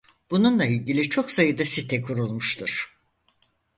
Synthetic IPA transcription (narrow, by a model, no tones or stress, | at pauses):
b̥ununlˠailʲɟilʲit͡ʃʰo̞ksajɯd̪asit̪ʰɛkʰuɾulˠmuʃt̪ʰuɾ̥